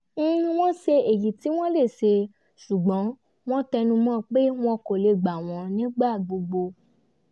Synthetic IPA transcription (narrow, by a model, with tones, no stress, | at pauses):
w̃ɔ̃˦ʃe˧e˨ji˨ti˨˦w̃ɔ̃˦le˦˨ʃe˧ | ʃu˨ɡ͡bɔ̃˨˦ | w̃ɔ̃˦tɛ˧nũ˧mɔ̃˦˨k͡pe˦w̃ɔ̃˦ko˨le˧˨ɡ͡ba˨w̃ɔ̃˧nĩ˨˦ɡ͡ba˦˨ɡ͡bo˧ɡ͡bo˧